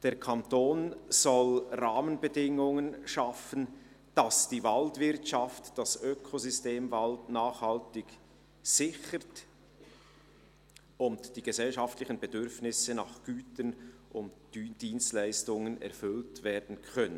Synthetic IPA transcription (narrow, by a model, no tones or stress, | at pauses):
d̥eːɐʁkʰantoːnz̥ɔlʁaːmənbədɪŋʊŋənʃafən̩ | d̥asd̥iːvaltv̥ɪɾtʃaftd̥asøkʰozʏsteːmvaltnaːχhaltɪɡ | z̥ɪçət | ʊntd̥iːɡ̥əzɛlʃaftlɪçənbɛdʏɾfnɪsənɑχɡ̥yːtənʔʊntd̥yːnd̥iːnstlæɪstʊŋənɛ̰ɾfʏltveːɾdn̩kʰœnən